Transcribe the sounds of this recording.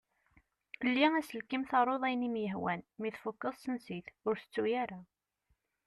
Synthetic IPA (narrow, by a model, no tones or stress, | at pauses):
əlːiæsəlkːimθɑɾˤoðˤæjnimjəɦwænmiθfʊkːəsˤsənsiθʊɾθə̥t͡sːujaɾa